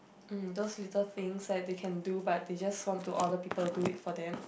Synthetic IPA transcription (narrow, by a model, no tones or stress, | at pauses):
m̩doslitəlθĩŋsdɛt̚dekʰɛ̃ndubat̚ded͡ʒaswɔ̃ntʰːuʔɔdəpipəlduitfɔdɛ̃m